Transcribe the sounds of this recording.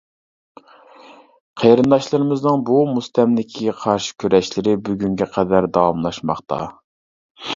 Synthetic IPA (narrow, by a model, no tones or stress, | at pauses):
qʰejɾɨnd̪ɑʃlˠɨɾɨmɨznɨŋbumust̪ɛmlɪkʲʰiɡʲɛqʰɑɾʃɪ̥kʲʰøɾɛʃlɪɾɪbyɡʲyŋɡʲɛqʰɛd̪æɾd̪ɑwɑmlˠɑʃmɑχt̪ɑ̰